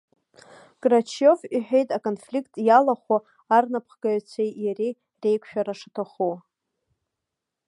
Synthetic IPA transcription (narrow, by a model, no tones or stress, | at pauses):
kʼrat͡ʃʰjofiħᶣejtʼakʼonflikʰtʼjalaχʷa | arnapʰχɡaʕt͡sʷʰejjari | re̞jkʷʰʃᶣaɾaʂatʰaχu